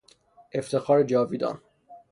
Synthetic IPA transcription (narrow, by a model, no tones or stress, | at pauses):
ʔe̞ft̪ʰe̞xɒːɾed͡ʒɒːviːd̪ɒ̰n